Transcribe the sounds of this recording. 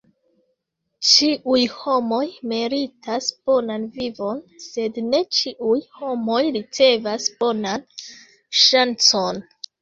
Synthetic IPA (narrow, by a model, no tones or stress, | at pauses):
t͡ʃiʔujho̞mo̞jmiɾitasb̥o̞nanvivo̞nse̞dne̞t͡ʃiʔujho̞mo̞jɾit͡se̞vasb̥o̞nan | ʃant͡so̞n